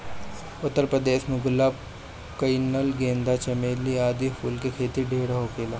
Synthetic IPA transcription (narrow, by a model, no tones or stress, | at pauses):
ʊt̪ːəɾpɾəd̪eːʃmũɡʊlːa | kɐinəlɡẽːnd̪at͡ʃɐmeːliaːd̪ipʰuːlkekʰeːt̪iɖʱeːɽɦokeːlaː